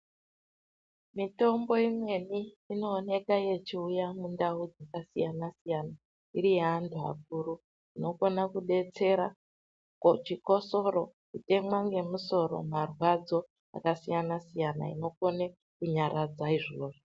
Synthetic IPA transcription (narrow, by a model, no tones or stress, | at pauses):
mito̞mbo̞imwe̞niː | no̞ːne̞kaje̞t͡ʃiujamundaud͡zakasijanasijana | iɾijeantua̰k̚uɾu | ino̞ko̞nakuɗe̞t͡se̞ɾa̰ | kot͡ʃiko̞so̞ɾokute̞mwaŋɡe̞muso̞ɾo̞̰marwad͡zo̞ | a̰kasijanasijana̰ḭno̞ko̞ne | kuɲaɾʔad͡zaiʐoːʐo